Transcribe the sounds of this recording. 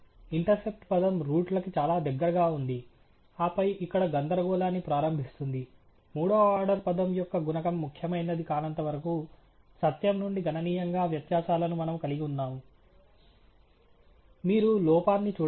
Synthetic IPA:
iɳʈɐɾse̞p̚ʈpɐd̪ɐmɾuːʈlɐkit͡ʃaːlaːd̪ɐɡːɐɾɐɡaːund̪i | aːpɐjʔikːɐɽɐɡɐnd̪ɐɾɐɡɔːlaːnːipɾaːɾɐmbʱist̪und̪i | muːɽoːaːɾɖɐɾpɐd̪ɐmjɔkːɐɡunɐkɐmːukʰjɐmɐjnɐd̪ikaːnɐnt̪ɐʋɐɾɐku | sɐt̪jɐmnuɳɖiɡʱɐnɐniːjɐŋɡaːʋjɐt̪jaːʃaːlɐnumɐnɐmkɐliɡiunːaːmu | miːɾulɔːpaːnːit͡ʃuː

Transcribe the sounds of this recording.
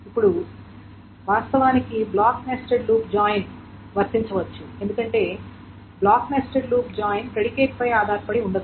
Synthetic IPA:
ipːuɽu | ʋaːst̪ɐʋaːnikiblaːkneːsʈɐɾluːpd͡ʒaːjn | ʋɐɾt̪iɲt͡ʃɐʋɐt͡ʃːue̞nd̪ukɐɳʈe̞ː | blaːkneːsʈɐɾluːpd͡ʒaːjnpɾeɽike̞ːʈ̚pɐjaːd̪ʱaːɾpɐɽiuɳɖɐd̪u

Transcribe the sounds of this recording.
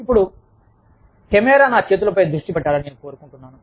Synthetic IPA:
ipːuɽu | kemɛːɾaːnaːt͡ʃe̞ːt̪ulɐpɐjd̪ɾuʂʈipɛʈːaːɾɐneːnuko̞ːɾukuɳʈunːaːnu

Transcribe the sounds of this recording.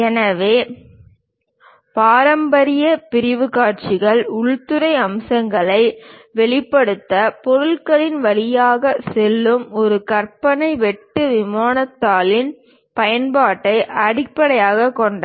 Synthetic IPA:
ɛnɐʋeː | paːɾɐmbɐɾɪjɐpɪɾɪʋɯkaːʈ̚t͡ʃɪɣɐɭʊɭt̪ɯɾɐɪɐmsɐŋɡɐɭɐɪʋɛɭɪpːɐɽɯt̪ːɐpɔɾɯɭkɐɭɪnʋɐɭɪjaːɣɐsɛlːɯmɔɾɯkɐrpɐnɐɪʋɛʈːɯʋɪmaːnɐt̪ːaːlɪn | pɐjɐnpaːʈːɐɪʔɐɽɪpːɐɽɐjaːɣɐkːɔɳɖɐ

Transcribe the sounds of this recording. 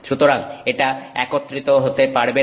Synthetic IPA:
ʃut̪oɾaŋeʈaɛ̰kot̪ːɾit̪oɦot̪epaɾbe

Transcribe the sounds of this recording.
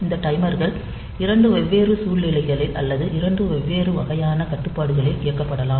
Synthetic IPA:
ɪnd̪ɐʈɐɪmɐɾɣɐɭ | ɪɾɐɳɖɯʋɛʋːeːrɯsuːɭnɪlɐɪɣɐɭɪlʔɐ̰lːɐðɯʔɪɾɐɳɖɯʋɛʋːeːrɯʋɐɣɐjaːnɐkɐʈːɯpːaːɽɯɣɐɭɪʔɪjɐkːɐpːɐɽɐlaːm

